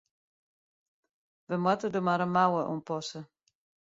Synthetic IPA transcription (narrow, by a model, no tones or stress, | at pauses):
ʋəmwatədomaɾənmawəʔṵmpɔsə